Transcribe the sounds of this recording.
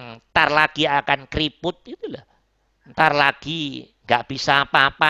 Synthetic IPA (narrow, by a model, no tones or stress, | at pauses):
ŋt̪arlaɡ̥iakankɾipʊt̪̚it̪ulah | nt̪arlaɡ̥iŋɡaʔb̥isapapa